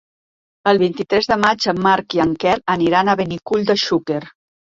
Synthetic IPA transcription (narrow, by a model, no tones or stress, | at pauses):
əlˠβ̞int̪it̪ɾɛzðəmad͡ʒəmːaɾkiaŋkɛləniɾanəβənikuʎd̪əʃukeɾ